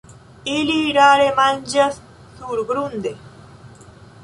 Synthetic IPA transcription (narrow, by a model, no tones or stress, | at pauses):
iliːɖaːɽemɐnʲd͡ʑɐs | suːɾɡɾund̪e